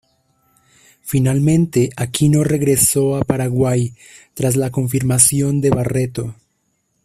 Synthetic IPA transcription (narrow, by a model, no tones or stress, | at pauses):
finalmẽ̞nt̪eʔakʰino̞re̞ɣɾe̞so̞apaɾaɣwaj | t̪ɾaz̬lako̞ɱfiɾmasjo̞nd̪e̞βare̞t̪o̞